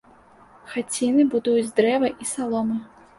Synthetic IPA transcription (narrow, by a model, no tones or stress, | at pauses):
xat͡sʲinɨbud̪ujud͡zʲd̪ɾɛvɐʔisalˠɔmɨ